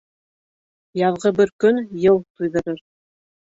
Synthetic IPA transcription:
jɑðʁɤbɘɾkɵnjɤlˠt̪ujðɤ̆ɾɤɾ

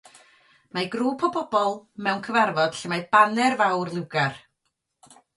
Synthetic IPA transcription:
majɡruːpʰɔbɔb̥ɔlˠmɛwnkʰəvarvɔd̥ɬəmajbanɛrvawrlˠɪwɡar

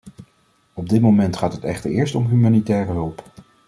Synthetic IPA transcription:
ɔb̚dɪtmomɛntχaːtɦətɛχtəɹɪːɹstɔmɦymaːnitɛːrəɦɵlˠp

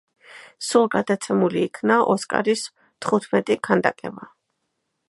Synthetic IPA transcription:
sulˠɡad̪at̪sʰɛmuliːkʰnaʔɔskʼa̰ɾis | t̪ʰχut̪ʰmɛt̪ʼikʰand̪a̰kʼɛ̰va

